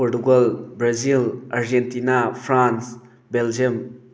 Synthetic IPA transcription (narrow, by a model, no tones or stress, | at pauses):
oɾtuɡalbɾazilaɾd͡ʒentinapʰɾans | beld͡ʒem